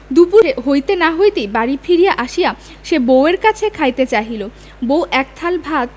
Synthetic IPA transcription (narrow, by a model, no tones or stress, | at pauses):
d̪upuɦojt̪enaɦojt̪ejbaɾifʰiɾijaʔaʃija | ʃeboweɾkat͡ɕʰekʰajt̪et͡ɕaɦilo | bowʔɛk̚t̪ʰalbʱat̪